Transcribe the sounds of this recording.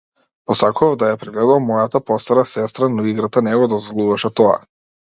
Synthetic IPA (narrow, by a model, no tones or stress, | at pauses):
pɔsakuavd̪ajapɾɛɡlɛd̪uvmɔjat̪apɔst̪aɾasɛst̪ɾanɔiɡɾat̪anɛɡɔd̪ɔzvɔlˠuvaʃɛt̪ɔa̰